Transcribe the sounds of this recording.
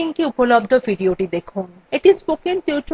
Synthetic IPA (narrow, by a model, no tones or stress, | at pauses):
iŋkeupolobd̪ʱofiɖioʈid̪ekʰun | eʈispokiŋt̪iwt͡ɕ